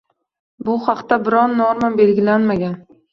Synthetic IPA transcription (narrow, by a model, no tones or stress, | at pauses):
bʊhɑqt̪abɪɾɒnːoɾmanbe̞lɡʲɪlanmaɡʲan